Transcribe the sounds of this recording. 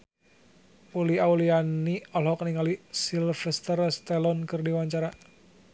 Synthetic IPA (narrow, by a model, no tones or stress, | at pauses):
uliaulianiɔlhɔkniŋalisilfɛst̪ərst̪ɛlɔnkɨrdiwaɲt͡ʃaɾa